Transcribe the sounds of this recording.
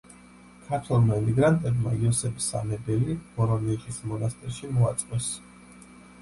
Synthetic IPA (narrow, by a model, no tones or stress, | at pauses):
kʰaɾt̪ʰwɛlˠmaimiɡɾant̪ʼɛbma̰iɔsɛbi̥sa̰mɛbɛlib̥ɔɾɔniχʰʼismɔnast̪ʼɛɾʃimɔat̪sʼqʼɔs